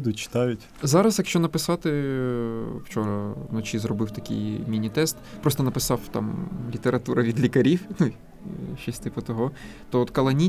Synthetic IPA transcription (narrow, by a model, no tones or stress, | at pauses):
d̪ʊt͡ʃɪ̥t̪ɑjʊtʲ | zɑɾɐsjɐkʃt͡ʃɔnɐpɪsɑt̪ɪ | wt͡ʃɔɾɐnɔt͡ʃʲizrɔbɪwt̪ɐkʲɪ̰jmʲinʲit̪ɛst̪pɾɔst̪ɔnɐpɪsɑwt̪ɑ̰mlʲit̪eɾɐt̪uɾɐʋʲid̪lʲikɐɾʲiwnu | ʃt͡ʃɔsʲt̪ɪpʊt̪ɔɦɔ | t̪ɔɔt̪kɐlˠɐnʲi